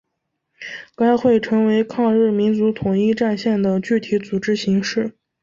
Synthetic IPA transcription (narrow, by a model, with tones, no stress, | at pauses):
ka˥ɪxwe˥˩ɪʈ͡ʂʰɤ˧˥ŋwe˧˥ɪkʰɑ˥˧ŋɻɻ̩˥˩mi˧˥nt͡su˧˥t̪ʰʊ˨˩ŋi˥˧ʈ͡ʂa˥˧nɕjɛ˥˩nd̪ə˩t͡ɕy˥˩t̪ʰi˧˥t͡su˨˩ʈ͡ʂɻ̩˥ɕi˧˥ŋʂɻ̩˥˩